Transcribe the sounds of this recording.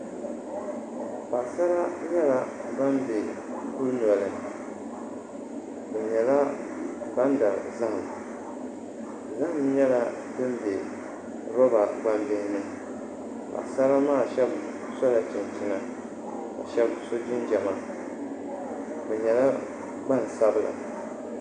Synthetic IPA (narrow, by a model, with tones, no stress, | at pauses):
pa˨ʔsa˦ɾa˦ɲɛ˦la˦ba˦mbe˨ | ku˦ɾnu˨a˨lɨ˨ | bɛ˨ɲɛ˨la˦ | ba˦n˦da˨za˦hm˨ | za˦hmɲɛ˦la˦ | dɨ˦m˦be˨ | ɾɔ˦ba˨ɡ͡ba˦m˦bɪ˦hnɨ˦ | ka̰˨sa˦ɾa˦maː˦˨ʃɛ˦b | sɔ˦la˨t͡ʃɪ˨n˨t͡ʃɪ˦na˨ | ka̰˨ʃɛ˦bso˦d͡ʒɪ˦nd͡ʒɛ˨ma˦ | bɛ˨ɲɛ˨la˦ | ɡ͡ba˦n̩˨sa˦bɨ˦la̰˨